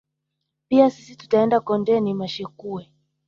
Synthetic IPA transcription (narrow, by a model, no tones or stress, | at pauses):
piasisitu̥taɛndakɔndɛnimaʃɛkuɛ